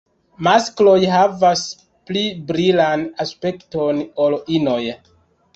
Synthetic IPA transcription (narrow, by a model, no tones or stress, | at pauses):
masklo̞jɦavas | plibɾilanaspe̞ktonolʔino̞j